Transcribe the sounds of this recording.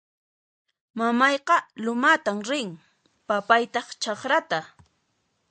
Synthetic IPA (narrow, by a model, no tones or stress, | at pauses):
mamɑjqɑlʊmat̪amɾɪŋ | papajt̪ɑχt͡ʃɑχɾat̪a